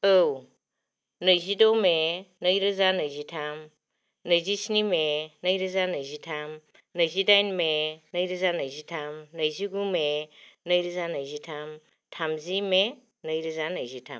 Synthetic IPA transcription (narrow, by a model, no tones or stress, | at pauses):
ɯw | nəjzidomenəjɾɯzanɯjzitʰam | nəjzisinimenəjɾɯzanəjzitʰam | nəjzidajnmenəjɾɯzanəjzitʰamnəjziɡumenəjɾɯzanəjzitʰam | tʰamzime | nəjɾɯzanəjzitʰa̰m